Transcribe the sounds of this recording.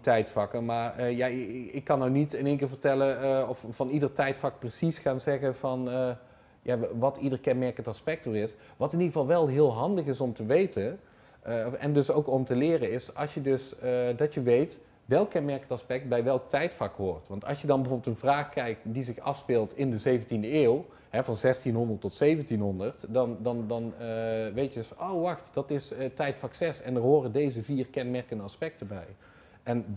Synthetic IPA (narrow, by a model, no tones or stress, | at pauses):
tɛjtfɑkəmaːɹjaɪkːɑnːawnitəneːŋkɪːɹvəɹtɛlənɔffɑnidərtɛjtfɑk̚prəsisχaːnzɛɣənvɑn | jaʋɑtidərkɛnmɛɹkəntɑspɛk̚toɹɪs | ʋɑtɪnidəɣəvɑlˠʋɛlˠɦɪːlˠɦɑndəχɪsɔmtəʋejtən | ɛ̰ndɵsowkɔmtəlɪːrəɪsɑ̰lˠsjədɵsdɑtjəʋejt | ʋɛlˠkːɛnmɛɹkənɑspɛk̚t̚bɛjʋɛlˠk̚tɛjtfɑkɦoːɹtʋɑntɑ̰lˠsjədɑnbəvoːbəlˠtənvraːxkɛjktdizɪxɑ̰fspɪlˠtɪndəzejvəntindəeːw | ɦɛvɑnzɛstinɦɔndəɹtɔtsejvəntinɦɔndəɹtdɑndɑndɑnʋejtjədøsowʋɑxtd̥ɑtɪstɛjtfɑksɛsɛndəɹɦoːrədejzəviːrkɛnmɛɹkəndəɑspɛk̚təbɛj | ʔɛn